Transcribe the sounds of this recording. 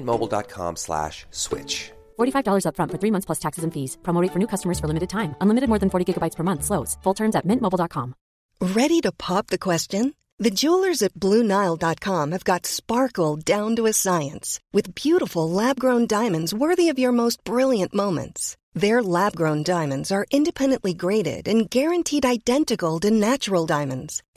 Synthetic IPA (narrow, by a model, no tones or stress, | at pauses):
nmoʊbl̩ˠdɑ̰t̚kʰɑ̰̃mslæ̰ʃswɪ̰t͡ʃ | fɔɹɾifaɪvdɔlˠə˞zʌpfɹʌ̃ntfə˞θɹimʌ̃nθsʰl̥ʌstʰæksɨzɨ̃n̩fiz̥pʰɹ̥õmoɾeɪtfə˞nʉkʰʌstəmə˞z̥fə˞lɪ̃mɨɾɨd̚tʰãɪ̃mə̃nlɪ̃mɨɾɨd̚mɔɹðɨ̃n̩fɔɹɾiɡɪɡəbaɪtspʰə˞mʌ̃nθsloʊz̥fʊlˠtʰɜ̃˞mzɨt̚mɪ̃nʔmoʊblˠɑt̚kʰɑ̰̃m | ɹɛɾiɾɨpʰɑp̚ðɨkʰw̥ɛst͡ʃɨ̃n | ðɨd͡ʒulˠə˞zɨt̚b̥lʉnaɪlˠdɑt̚kʰɑ̃mɨvɡɑtspɑɹkl̩ˠdãʊ̃ntəɨsaɪɨ̃nswɨðbjʉɾəfl̩ˠlæb̚ɡɹõʊ̃ndãɪ̃mɨ̃ndzwɜ˞ðiʌvjə˞moʊst̚b̥ɹɪlˠjɨ̃nʔmõʊ̃mɨ̰̃nts | ðə˞læb̚ɡɹõʊ̃ndãɪ̃mɨ̃ndzə˞ʔɪ̃ndɨpʰɛ̃ndɨ̃nʔliɡɹeɪɾɪ̰ɾɨ̃nɡɛɹɨ̃ntʰiɾaɪdɛ̃ntɨkl̩ˠdɨnæt͡ʃə˞l̩ˠdãɪ̃mɨ̃ndz̥